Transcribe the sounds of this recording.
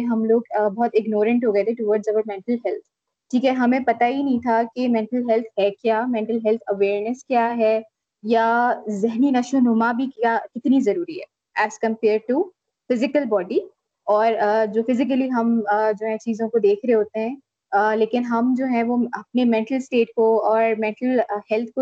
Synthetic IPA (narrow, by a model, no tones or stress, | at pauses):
ɦɐmloːɡbɔɦɔt̪ɪɡnoːɾə̃ɳʈɦoːɡɐet̪ʰẽʈʊʋəːɾɖzɐʋəːɾmɛ̃ɳʈəlɦɛlt̪ʰ | ʈʰiːkɛɦɐmẽpɐt̪aɦinɐɦĩt̪ʰakemɛ̃ɳʈəlɦɛlt̪ʰɦɛkjaːmɛ̃ɳʈəlɦɛlt̪ʰɐʋeːɾnəskjaːɦɛ | jazɛɦninɐʃonomabʱikakɪt̪nizɐɾuːɾiɦɛ̰ː | æːskɐ̃mpeːɾɖ̚ʈu | fɪzɪkəlbɔːɖi | ɔːɾd͡ʒoːfɪzɪk̬əliɦɐmːd͡ʒoːɦɛ̃t͡ʃiːzõkod̪eːkʰɾeɦeɦoːt̪eɦɛ̃ː | leːkɪnɦɐmd͡ʒoːɦɛ̃ʋoɐp̚nemɛ̃ɳʈəlsʈeːʈ̚koɔːɾmɛ̃ɳʈəlhɛlt̪ʰko